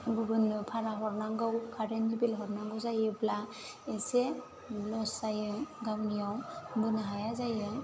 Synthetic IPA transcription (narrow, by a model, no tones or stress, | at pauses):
ɡuɾunɯpʰaɾaɦɔɾnaŋɡawkʰaɾenibilɦɔɾnaŋɡɯwzajɯpla | ese | lɔsajɯɡawnijawbɯnaɦajazajɯ